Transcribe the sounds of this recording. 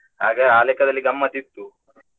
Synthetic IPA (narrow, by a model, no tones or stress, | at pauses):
ɦaːɡeaːlekɐd̪ɐlːiɡɐmːɐt̪it̪ːu